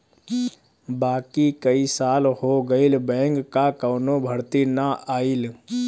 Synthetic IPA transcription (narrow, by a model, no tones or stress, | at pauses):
baːkikəisaːlhoɡəilbɛ̃ːŋkːakəːnobʱəɽt̪inaʔaːil